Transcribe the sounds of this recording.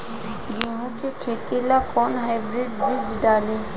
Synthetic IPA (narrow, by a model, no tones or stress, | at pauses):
ɡiːɦũkekʰeːt̪elakɔːnɦaɪbɾɪɖbɾɪd͡ʒɖaːleː